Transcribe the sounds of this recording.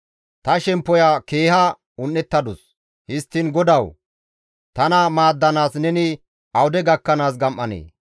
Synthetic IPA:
t̪ɐʃɛmpːɔjɐke̞ːhɐ | ʊnːɛt̪ːɐd̪ʊs | hɪst̪ːɪnɡɔd̪ɐw | t̪ɐnɐmaːd̪ːɐnaːsnɛnɪ | ɐwʊd̪ɛɡɐkːɐnaːsɡɐmʔːɐnḛː

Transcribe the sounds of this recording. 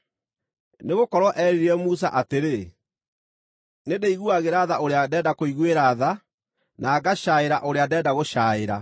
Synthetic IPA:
neɣokɔɾwɔʔɛɾeɾɛmus̬a̰ʔateɾe | nedeiɣuaɣeɾaðaʔoɾeadɛːdakoiɣweɾaða | nʔaːɡaɕaeɾaʔoɾeadɛːdaɣoʃaːeɾa

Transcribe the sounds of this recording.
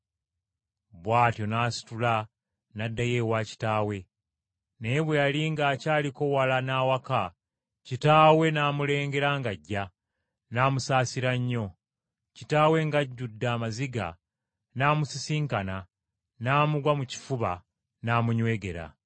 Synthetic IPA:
βwaːtjo̞naːsi̥tula | nadːaje̞waːci̥taːwe̞ | ne̞ːβwealiŋɡaːcaːliko̞walanaːwaka | citaːwe̞naːmule̞ːŋɡe̞ɾaŋɡaɟːa | naːmusaːsiɾaɲːo̞ | citaːwe̞ŋɡaɟːudːaːmaziɡa̰ | naːmusisiːŋkana | naːmuɡwamuci̥fuβa | naːmuɲwe̞ːɡe̞ɾa̰

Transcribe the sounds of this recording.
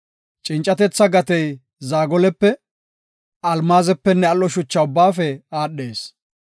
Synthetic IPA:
t͡ʃʼɪnt͡ʃʼːɐt̪ɛt͡sːɐɡɐt̪ɛj | zaːɡɔlɛpːɛ | ɐlmaːzɛpːɛnːɛɐlːɔʃʊt͡ʃːɐʊbːaːfɛaːɗːeːs

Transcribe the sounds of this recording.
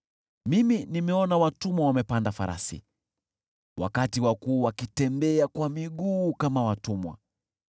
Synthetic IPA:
miminimɛɔnawatumwawamɛpandafa̰ɾʔa̰sḭ | wʔa̰katiwakuːwakitɛmbɛakwamiɡuːkamawatumwa̰

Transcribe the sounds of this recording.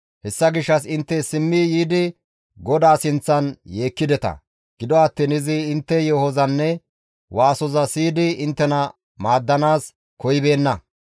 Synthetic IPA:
hɛsːɐɡɪʃːɐs̬ɪnt̪ːɛsɪmːijiːd̪ɪ | ɡɔd̪aːsɪnt͡sːɐnje̞ːkːɪd̪ɛt̪ɐ̰ | ɡ̥ɪd̪ɔɐt̪ːɪnɪzɪɪnt̪ːɛjɔhɔzɐnːɛ | waːsɔzɐsiːd̪ɪɪnt̪ːɛnɐ | maːd̪ːɐnaːs | kɔjɪbe̞ːnːɐ

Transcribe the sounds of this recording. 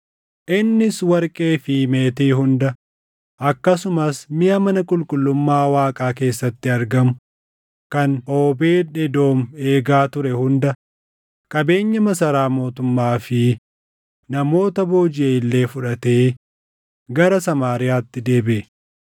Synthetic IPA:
ʔɪnːɪswɐɾkʼe̞ːfɪme̞ːt̪eːɦʊnd̪ɐ | ʔɐkːɐsʊmɐsmɪjɐmɐnɐkʼʊlkʼʊlːʊmːaːwaːkʼaːk̬e̞ːsːɐt̪ːɪɐɾɡɐmʊ | kɐno̞ːbe̞ːᶑɛd̪o̞ːme̞ːɡaːt̪ʊɾɛhʊnd̪ɐ | kʼɐbe̞ːɲːɐmɐsɐɾaːmo̞ːt̪ʊmːaːfɪ | nɐmo̞ːt̪ɐboːd͡ʒɪeːɪlːe̞ːfʊᶑɐt̪e̞ː | ɡɐɾɐsɐmaːɾɪjaːt̪ːɪd̪e̞ːbeː

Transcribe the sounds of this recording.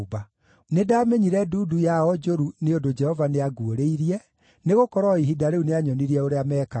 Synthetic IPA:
ba | nedaːmeɲiɾɛduːdujaɔd͡ʒoɾuneondod͡ʒɛhɔvaneaɡuoɾeiɾiɛ | neɣokɔɾɔiɦidaɾeuneaɲɔniɾiɛoɾeamɛːka

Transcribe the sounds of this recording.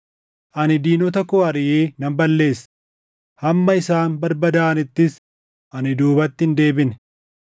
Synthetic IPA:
ʔɐnɪd̪iːnɔt̪ɐkɔɐɾɪʔeːnɐmbɐlːe̞ːs | hɐmːɐɪsaːnmbɐɾbɐd̪aːnɪt̪ːɪs | ʔɐnɪd̪uːbɐt̪ːɪnd̪e̞ːbɪnɛ̥

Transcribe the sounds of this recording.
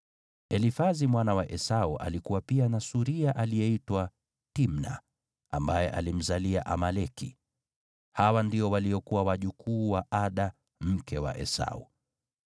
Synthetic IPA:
ɛlifazimwanawaʔɛsauʔa̰likuwapianasuɾiaʔalijɛitwa | timna̰ | ʔambajɛʔa̰lim̩zalia̰ʔamalɛkḭ | hawandiɔwaliɔkuwawaʄukʰuːwaʔaɗa | m̩kɛwa̰ʔɛ̰sa̰ṵ

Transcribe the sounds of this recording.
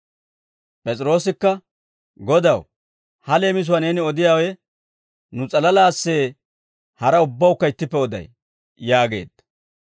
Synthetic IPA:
pʼɛt͡sʼɪɾo̞ːsɪkːɐ | ɡɔd̪ɐw | hɐle̞ːmɪs̬ʊwane̞ːnɪɔd̪ɪjaːwɛ | nʊt͡sʼɐlɐlaːsːe̞ː | hɐɾɐʊbːɐwʊkːɐɪt̪ːɪpːɛɔd̪ɐ̰j | jaːɡe̞̰ːd̪̥ɐ

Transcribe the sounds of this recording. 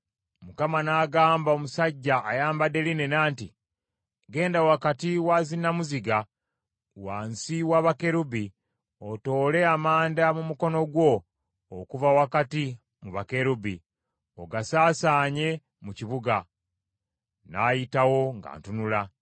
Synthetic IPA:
mukamanaːɡaːmbaomusaɟːaʔːjaːmbade̞line̞naːnti | ɡe̞ːndawakatiwaːzinamuziɡa | waːnsiwaβake̞ɾubi | oto̞ːle̞amaːndamumuko̞no̞ɡwo̞ː | kuvawakati | muβake̞ɾubi | oɡasaːsaːɲe̞ | muciβuɡa | naːjitawo̞ŋɡa̰ːntunula

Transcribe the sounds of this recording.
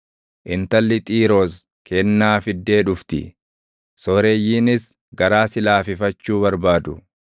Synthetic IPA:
ʔɪnt̪ɐlːɪt̪ʼiːɾoːs | kʰɛnːaːfɪd̪ːe̞ːᶑʊft̪ɪ̰ | sɔɾejːiːnɪs | ɡɐɾaːsɪlaːfɪfɐt͡ʃːuːbɐɾbaːd̪ʊ

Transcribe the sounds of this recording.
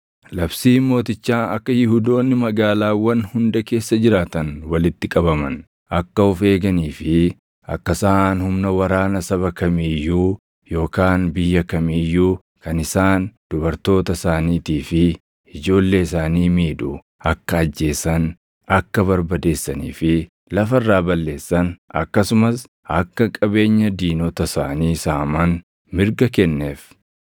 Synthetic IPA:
lɐbsiːmo̞ːt̪ɪt͡ʃːaːɐ̰kːɐjɪhud̪o̞ːnːɪmɐɡaːlaːwɐnhʊnd̪ɐke̞ːsːɐd͡ʒɪɾaːt̪ɐnwɐlɪt̪ːɪkʼɐbɐmɐ̰n | ʔɐkːɐɔfe̞ːɡɐniːfɪ | ʔɐ̰kːɐsaːnhʊmnɐwɐɾaːnɐsɐβɐkɐmejːuː | jo̞ːkaːnbɪjːɐkɐmejːuː | kɐnɪsaːnd̪̥ʊbɐɾt̪o̞ːt̪ɐsaːniːt̪iːfɪ | ɪd͡ʒo̞ːlːe̞ːɪsaːniːmiːᶑʊ | ɐkːɐːd͡ʒːe̞ːsɐn | ɐkːɐβɐɾbɐd̪e̞ːsːɐnḭːfɪ | lɐfɐɪrːaːbɐlːe̞ːsːɐnʔɐ̰kːɐsʊmɐs | ʔɐkːɐkʼɐbe̞ːɲːɐd̪iːnɔt̪ɐsa̰ːniːsaːmɐn | mɪɾɡɐkɛnːeːf

